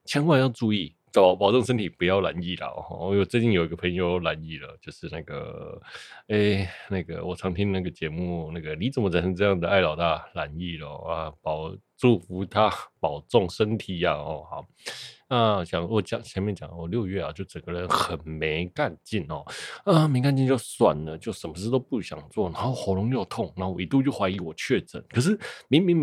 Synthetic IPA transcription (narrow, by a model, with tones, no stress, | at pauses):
t͡ɕʰjɛ˧˥nwa˥˧njɑ˥˧ʊʈ͡ʂu˥˧i˥˩ | t͡spɑ˨˩ʊt͡sɔ˥˨ŋʂ̬ə˥nt̪ʰi˨˩pu˧˦jɑ˥˩ʊla̰˧˥˦ni˥˩la̰˨˩xɔ̰˥˧˥wɔ˨˩t͡swe˥˧ɪt͡ɕi˥˩njo˨˩ʊi˧˦ɡə˧˩pʰə˧˥ŋjo˧ʊla˧˥ni˥˩lə̰˩t͡ɕjo˥˧ʊʂɻ̩˥˧na˥˩ɡə̰˩ | e˥˩na˥˩ɡə̰˩wɔ˨˩t͡sʰɑ˧˥ŋt̪ʰi˥n˧na˥˩ɡə˩t͡ɕjɛ˧˥mu˥˨na˥˩ɡə˩ni˧˨˦t͡sə˨˩nmə˦t͡sʰa˨˩nʂʰnʈ͡ʂɤ˥˧jɑ˥˩ŋd̪ə˩˨a˥˩ɪlɑ˨˩ʊt̪a˥˩la˧˥ni˥˩lə˩a˧˩pɑ˨˩ʊʈ͡ʂu˥˩fu˧˥t̪ʰa˥pɑ˨˩ʊt͡sɔ˥˩ŋʂə˦˥nt̪ʰi˨˦a˧ɔ˥˩hɔ̰˨˩ | na˥˧ɔ˧˩ɕjɑ˨˩ŋ˥wɔ˨˩t͡ɕjɑ˨˩ŋt͡ɕʰjɛ˧˥nmjɛ˥˨nt͡ɕjɑ˨˩ŋ˦˩wɔ˨˩ljo˥˧ʊɥɛ˥˩a̰˨˩t͡ɕjo˥˩ʊt͡sə˨˩ɡə˦ɻə˧˦nxə˨˩nme˧˦ɪka˥˧nt͡ɕi˥˩nɔ̰˨˩ə˨me˧˥ɪka˥˧nt͡ɕi˥˧nt͡ɕjo˥˩ʊswa˨˩nlə˦t͡ɕjo˥˩ʊʂə˨˩nmə˦ʂɻ̩˥˧t̪o˥ʊpu˥˩ɕjɑ̰˨˩ŋt͡swɔ˥˩na˨˧˦ŋxo˥˩ʊxo˨˥ʊlʊ˧˥ŋjo˥˩ʊt̪ʰʊ˥˩ŋna˨˧˥o˥wɔ˧˨i˧˥t̪u˥˧t͡ɕjo˥˩ʊxwa˧˥ɪi˧˥wɔ˨˩t͡ɕʰɥɛ˥˩t͡sə̰˨˦nkʰə˨˩ʂ̬ɻ̩˥˩mi˧˥ŋmi˧˥ŋ